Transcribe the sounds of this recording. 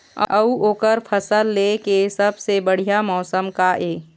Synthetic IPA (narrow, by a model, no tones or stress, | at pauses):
ə̰əuoːkəɾpʰəsəlːekesəbsebəɽ̤ijamɔːsəmkaʔeː